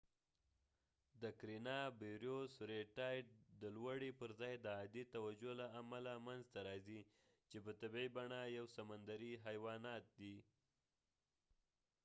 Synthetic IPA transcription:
d̪əkɾinɑbeɾjosɾeʈɑjʈ̚d̪əlwaɽipəɾzɑjd̪əɑd̪it̪awad͡ʒolaamalamanzt̪aɾɑzi | t͡ʃepət̪əbejbaɳajawsamand̪aɾiɦajwɑnɑt̪̚d̪i

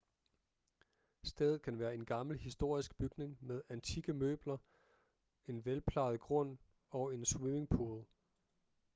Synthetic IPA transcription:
sd̥eːð̩ˠkʰænʋæːɐe̝nɡ̥ɑ̈ml̩hisd̥o̝ɐ̰isɡ̥̚b̥yɡ̥ne̝ŋmeð̞ˠænt͡sʰiɡ̥əmø̰ːb̥lɐ | e̝nʋelpʰlɑ̈ðˠɡ̥ʁɔ̽n̰ | ɒ̽e̝nswime̝ŋpʰo̝ð̩ˠ

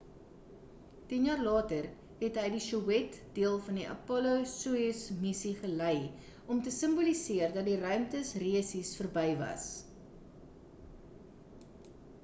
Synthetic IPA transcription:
tinjɑːrlɑːtər | ɦɛtɦəjdiʃuɛtd̥iəlˠfɐndiʔɐ̰pɔluwsuismisiχələj | ɔmtəsəmbulisiərdɐt̚dirœɥmtəsriəsisfərbɛjvɐ̰s

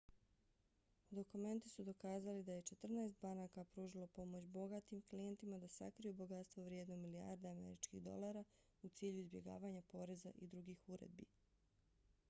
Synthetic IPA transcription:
d̪o̞kume̞nt̪i̥sud̪o̞kaːzalid̪aje̞t͡ʃe̞t̪r̩naest̪banakapɾuːʒilˠo̞po̞mo̞t͡ɕbo̞ɡat̪imklijent̪imad̪asa̰kɾijubo̞ɡat̪st̪ʋoʋɾjed̪nomilia̰ɾd̪aame̞̰ɾit͡ʃkiɣd̪o̞̰lˠaːɾa | ut̪siːʎuizbje̞̰ɡa̰ːʋaɲapo̞ɾe̞za̰ʔid̪ɾuɡiːxuɾḛd̪̚bḭ

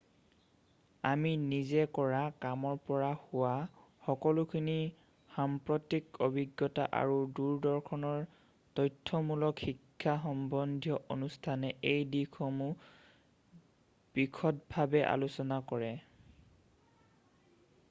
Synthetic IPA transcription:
aminizɛkɔɹakamɔɹpɔɹahʊwaxɔkɔlʊkʰini | xampɹɔtikobʱiɡːɔta̰ʔa̰ɹuduɹdɔɹkʰɔnɔɹ | tɔjtʰːɔmulɔkxikʰːaxɔmbɔndʱjɔʔonustʰanɛejdikʰɔmu | b̥ikʰɔtbʱabɛʔa̰lusɔnakɔɹɛ

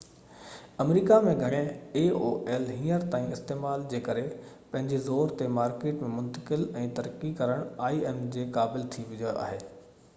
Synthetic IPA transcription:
ɐmɾiːkamẽɡʱɐɽ̃ẽeːoːʔɛːlɦĩːəɾt̪aːĩɪst̪eːmaːld͡ʑeːkɐɾe | pɐ̃ɦɪ̃ɲd͡ʑezoːɾt̪emaːɾkeːʈmẽmʊ̃nt̪ə̥kɪlɛ̃ːt̪ɐɾkikɐɾəɽ̃aːiɛːmd͡ʑeːkaːbɪlt̪ʰiʋɪd͡ʑoʔa̰ːɦeː

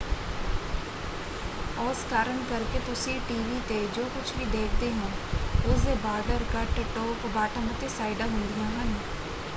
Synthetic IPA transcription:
ɔːskaːɾəɳkəɾket̪ʊsiʈiːʋit̪ed͡ʒoːkʊt͡ʃʰbʱid̪eːkʰt̪eɦɛ̃ːʊseːbaːɾɖəɾkəʈʈoːpbaːʈamət̪esaːɪɖaɦʊ̃nd̪iaɦən

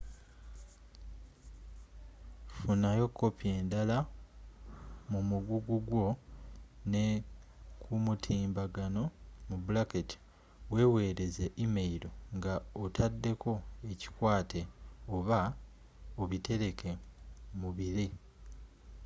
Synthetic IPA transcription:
funajo̞kːo̞pjeːndala | mumuɡuɡuɡwo̞ | ne̞ | kʰumutʰiːmbaɡano̞mubulaketi̥ | we̞ːwe̞ːɾe̞zeʔimeiɾo̞ŋɡaotʰadːe̞kʰo̞e̞ci̥kwaːtʰe̞oβa | oβite̞ɾe̞kʰe̞muβiɾi

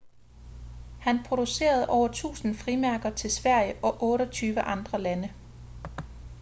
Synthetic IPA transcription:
hænpʰʁo̝duse̝̰ːɐð̞̩ˠʔɒʊ̰ɐt͡sʰṵːsn̩fʁimæɐɡ̥ɐt͡sʰe̝lsʋæɐ̰jəʔɒ̽ʔɔ̽ːɾ̥ɒt͡sʰyːʋəʔɑ̈nd̥ʁɐlænə

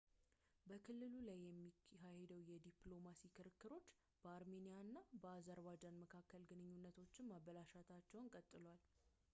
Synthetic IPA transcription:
bəkʰɨlːɨlulajːɛmːiɦahed̪əwjɛd̪iplo̞masikʰɨɾɨkːɨɾo̞t͡ʃː | b̥əaɾme̞nijanːabəazəɾwad͡ʒanməkʰakːəlɡɨnɨɲːunːət̪ʰo̞t͡ʃːɪnmaβəlaʃat̪ʰat͡ʃːɛwnkʼət̪ʼːɨlwal

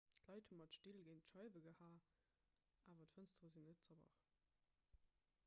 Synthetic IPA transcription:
tlɑɪthumɑtʃtilɡeɪntʃɑɪvəɡəhaː | ʔaːvɐtfənstʁəzinːət̚t͡sɑbɑ̰χ

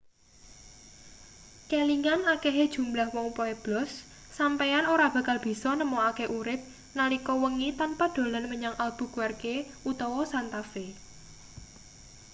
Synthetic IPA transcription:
keliŋanakeɦed̥ʒ̥ṳmblahwɔŋupɔeb̥lɔsː | ampejanoɾab̥ä̤kalb̥i̤sɔnəmɔakeʔuɾɪp̪̚ | nalikɔwəŋit̪anpad̥o̤lanməɲaŋʔalb̥ṳɡ̥warkeʔut̪ɔwɔsant̪afe

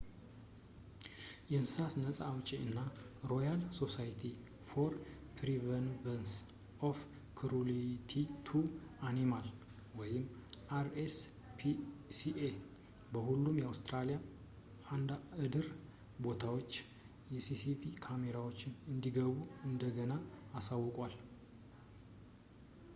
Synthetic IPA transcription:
jɛnsɨsasnəsʼaːwt͡ʃʼiɨnːaɾo̞jalso̞sajt̪ʰi | foɾ | pʰɾivənvəns | ʔof | kʰɨɾulit̪ʰit̪ʰuanimal | wɔjɪmːʔaɾes | pʰisiʔe | bəhulːumjɛawst̪ʰɾalija | and̪aɨd̪ɨɾ | bo̞t̪ʰawo̞t͡ʃː | jɛsisifikʰame̞ɾawot͡ʃːɪnɨnd̪iɡəβuɨnd̪əɡənaːsawːɔkʼwal

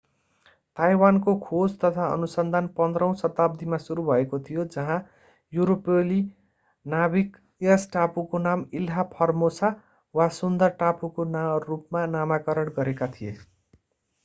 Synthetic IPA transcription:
t̪ajwankokʰod͡zt̪ʌt̪ʰaʌ̰nusʌnd̪ʱanpʌnd̪rʌw̃sʌt̪ab̚d̪ʱimasuɾubʱʌekot̪ʰijod͡zʌɦã | juɾopeli | nabik | jʌsʈapukonamilɦapʰʌrmosa | wasund̪ʌrʈapukonarupmanamakʌɾʌɽɡʌɾekat̪ʰije

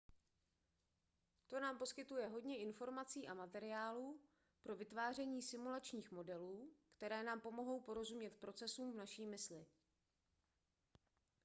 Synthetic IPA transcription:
t̪o̞naːmpo̞skɪt̪ujɛɦo̞dɲɛʔɪnfo̞ɾmat͡siːʔamat̪ɛɾɪjaːluː | pɾo̞vɪt̪vaːr̝ɛɲiːsɪmulat͡ʃɲiːxmo̞dɛluːkt̪ɛɾɛːnaːmpo̞mo̞ɦo̞wpo̞ɾo̞zumɲɛt̪pɾo̞t͡sɛsuːmvnaʃiːmɪslɪ

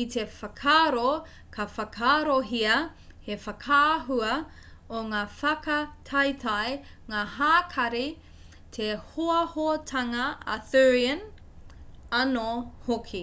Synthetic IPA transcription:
ite̞fɐkʰaːɾo | kʰɐfɐkʰaːɾoɦiɐ | hefɐkʰaːɦuɐ | oŋaːfɐkɐtʰɐjtʰɐj | ŋaːɦaːkʰɐɾi | tʰehoɐhoɐtʰɐŋɐɐ̰θøɹiɐn | ɐnohokʰi

